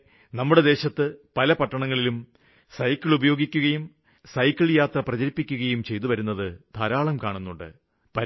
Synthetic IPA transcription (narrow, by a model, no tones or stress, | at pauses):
nɐmːuɽe̞d̪e̞ːɕɐt̪ːɨpɐlɐpɐʈːɐɳɐŋːɐɭilum | sɐjkːɐɭubɐjo̞ːɡikʲːuɣɐjum | sɐjkːɐɭjaːt̪rɐprɐd͡ʑɐɾipːikʲːuɣɐjumt͡ɕe̞jt̪uʋɐɾunːɐðɨd̪ʰʱaːɾaːɭɐmkaːɳunːuɳɖɨ̰ | pɐ